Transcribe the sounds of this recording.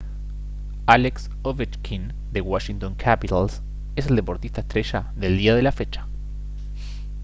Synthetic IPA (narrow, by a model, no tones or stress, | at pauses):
aleks | oβet͡ʃkʰin | d̪ewaʃint̪oŋkʰapit̪als | es̬e̞ld̪e̞po̞ɾt̪ist̪aest̪ɾe̞ʃaðe̞ld̪iað̞e̞lafe̞t͡ʃḁ